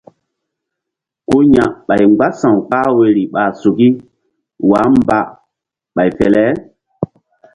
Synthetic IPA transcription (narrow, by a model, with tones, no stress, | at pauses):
ko˦ɲã˨ɓa˨jŋ͡mɡ͡ba˦sã˨wk͡pa˦we˨ɾi˨ɓa˨su˨ki˦ | wa˨˦m˦ba˦ | ɓa˨jfɛ˨lɛ˦